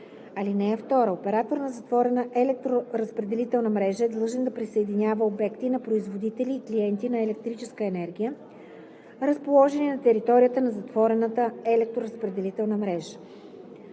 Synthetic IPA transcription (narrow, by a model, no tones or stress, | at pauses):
ɐlinɛːft̪ɔɾəopɛɾat̪oɾnəzɐt̪vɔɾɛnəʔɛlɛk̚t̪ɾoɾəspɾɛd̪ɛlit̪ɛlˠnəmɾɛʒəɛd̪lˠɤʒɛnd̪ɐpɾisəɛd̪inʲavəobɛkt̪inɐpɾoizvod̪it̪ɛliːkliɛnt̪inɐɛlɛk̚t̪ɾit͡ʃɛskəɛnɛɾɡʲijə | ɾəspolˠɔʒɛnʲinɐt̪ɛɾit̪ɔɾʲijət̪ənɐzɐt̪v̥ɔɾɛnət̪əɛlɛk̚t̪ɾoɾəspɾɛd̪ɛlit̪ɛlˠnəmɾɛʒə̥